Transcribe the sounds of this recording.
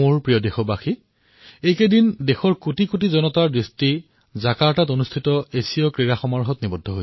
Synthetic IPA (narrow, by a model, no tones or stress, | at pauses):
oɹpɹijɔdexɔbaxi | ejkedindexɔɹkotikot̬izɔnɔtaɹdɹisti | zakaɹtatonustʰitɔesijɔkɹiɹaxɔmaɹɦɔtnibɔdʱːɔɦo